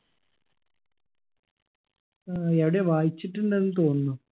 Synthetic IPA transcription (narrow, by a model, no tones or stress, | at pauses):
eʋiɽe̞ʋaːjit͡ɕːiʈːuɳɖenːɨt̪o̞ːnːu